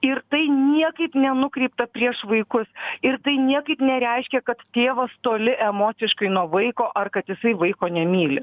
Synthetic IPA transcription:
ɪɾt̪ɐɪnʲiɛkɐɪpnʲɛnʊkɾʲɛɪp̚t̪ɐpʲɾʲiɛʃʋɐɪkʊsɪɾt̪ɐɪnʲiɛkɐɪpnʲɛɾʲɛɪʃʲkʲɛkɐt̪t̪ʲeːʋɐst̪oːlʲɪʔɛmoːsʲɪʃkɐɪnuɔʋɐɪkoːʔɐrkɐt̪jɪsɐɪʋɐɪkoːnʲɛmʲiːlʲɪ

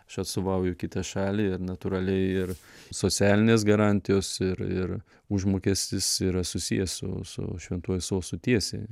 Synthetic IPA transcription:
ɐʃɐt̪st̪oʋɐʊjʊkʲɪt̪ɐʃɑːlʲiːɪrnɐt̪ʊɾɐlʲɛɪɪrsoːtsʲæːlʲɪnʲeːsɡɐɾɑːnʲt̪ʲɪjoːsɪɾɪɾ | uʒmoːkʲɛsʲt̪ʲɪsiːɾɐsʊsʲḭjɛsʊ̰sʊ̰ʃʲʋʲɛnt̪uɔjɛsoːsʊt̪ʲiɛsʲḛɪ

